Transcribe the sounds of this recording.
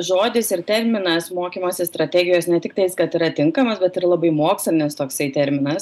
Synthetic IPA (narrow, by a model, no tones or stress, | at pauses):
ʒoːd̪ʲɪsɪɾt̪ʲɛɾʲmʲɪnɐsmoːkʲimoːsʲɪst̪ɾɐt̪ʲæːɡʲɪjoːsnʲɛt̪ʲɪkt̪ɐɪskɐt̪ɪɾɐt̪ʲɪŋkɐmɐsbʲɛt̪ɪrlˠɐbɐɪmoːksʲlʲɪnʲɪst̪oːksɐɪt̪ʲɛɾʲmʲɪnɐs